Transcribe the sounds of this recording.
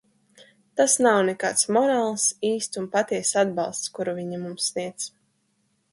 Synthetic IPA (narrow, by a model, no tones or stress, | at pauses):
t̪asnawnɛkaːt̪smɔɾaːlˠsiːst̪sunpat̪iɛsad̪bɑ̰lˠst̪skuɾuvʲiɲimumsːniɛt̪s